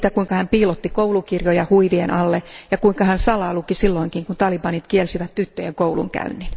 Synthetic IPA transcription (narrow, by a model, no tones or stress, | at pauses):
t̪ækuiŋkɑhæmpiːlot̪ːikoulukirjojɑhuiʋienʔɑlːejɑkuiŋkɑhænsɑlɑːlukisilːoiŋkiŋkunt̪ɑlibɑnit̪kielsiʋæt̪t̪yt̪ːøjeŋkoulṵŋkæ̰ynːin